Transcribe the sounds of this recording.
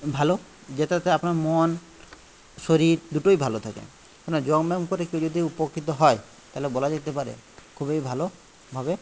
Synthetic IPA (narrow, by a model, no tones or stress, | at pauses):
bʱalo | d͡ʑet̪t̪ɛapnaɾmon | ʃoɾiɾd̪uʈojbʱalot̪ʰakḛ | kɔnad͡ʑɔɡmɛmkoɾekewd͡ʒod̪ʱiupokːit̪̬oɦɔe | t̪aɦlebɔlad͡ʑet̪epaɾḛ | kʰubejbʱalo | bʱabe